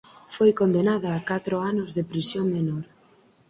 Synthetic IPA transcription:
fojkond̪enaðɐːkat̪ɾoanʊzðɪpɾisjoŋmenoɾ

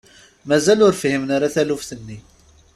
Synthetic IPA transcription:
mæzælʊɾfhəmnaɾaθælufθənːi

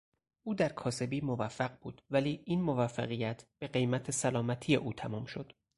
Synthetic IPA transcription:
ʔuːd̪æɾkʰɒːse̞biːmovæfːæɢbṵːd̪væliːiːnmo̞væfːæ̰ɣijæt̪ʰb̥e̞ɢe̞jmæt̪ʰesælɒːmæt̪ʰije̞ʔuːt̪ʰæmuːmʃo̞d̪̥

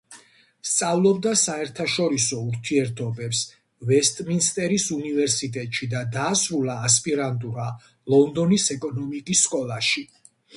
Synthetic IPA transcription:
st̪sʼavlˠɔb̚d̪asaɛɾt̪ʰaʃɔɾisɔuɾt̪ʰiɛɾt̪ʰɔbɛps | vɛst̪ʼminst̪ʼɛɾisunivɛɾsit̪ʼɛt̪ʼʃid̪ad̪asɾulˠaːspʼiɾant̪ʼuɾa | lˠɔnd̪ɔnisɛkʼɔnɔmikʼisːkʼɔlˠaʃi

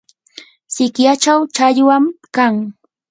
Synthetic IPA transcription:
sɪkjat͡ʃawt͡ʃaʎwamkaŋ

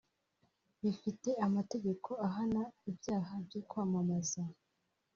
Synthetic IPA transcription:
βifite̞amate̞ɟe̞kʰo̞aɦanaibjaːɦabjokwaːmamaza

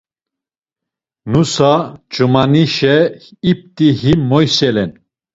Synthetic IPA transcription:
nusat͡ʃumaniʃɛip̚t̪ʼiɦimɔjsɛlɛn

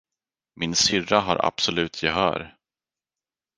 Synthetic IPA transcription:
mɪnsʏraɦa̰ɾa̰b̥sɔlʉ̟ːt̪ʰjɛɦœ̰ːɾ

